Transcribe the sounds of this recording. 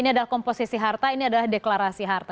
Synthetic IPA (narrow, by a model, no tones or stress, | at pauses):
iniadalahkɔmposisiɦart̪ainiadalahdeklaɾasiɦart̪a